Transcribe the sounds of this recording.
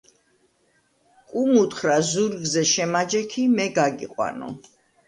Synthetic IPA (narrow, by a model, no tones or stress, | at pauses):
kʼumut̪χɾazuɾɡzɛʃɛmad͡ʒɛkʰimɛɡaɡiqʼwa̰nɔ̰